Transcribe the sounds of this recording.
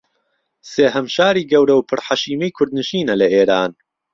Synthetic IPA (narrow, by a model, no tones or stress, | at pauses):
seːɦɐmʃaːɾiːɡɐwɾɐwpʰɨɾħaʃiːmɐjkʰʊɾd̪̚nɨʃiːnɐlɐeːɾaːn